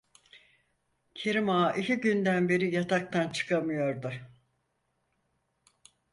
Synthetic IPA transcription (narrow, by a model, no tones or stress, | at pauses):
cʰeɾimaʔiciɟynd̪ænbe̞ɾijat̪ʰak̚t̪ʰant͡ʃʰɯ̥kʰamɯjo̞ɾd̪ʊ